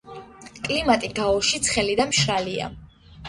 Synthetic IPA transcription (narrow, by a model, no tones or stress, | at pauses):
kʼlimat̪ʼiɡaɔʃit̪sʰχɛlid̪amʃɾalia̰